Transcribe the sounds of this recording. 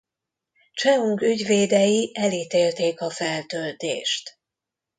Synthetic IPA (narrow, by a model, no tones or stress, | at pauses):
t͡ʃɛuŋkyɟveːd̪ɛjiʔɛliːt̪eːlt̪eːkɒfɛlt̪ølt̪ḛːʃt̪